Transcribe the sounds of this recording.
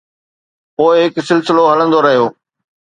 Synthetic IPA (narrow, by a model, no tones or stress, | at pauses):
poːɪɦɪksɪlsɪloɦɐlə̃nd̪oɾɐɦijoː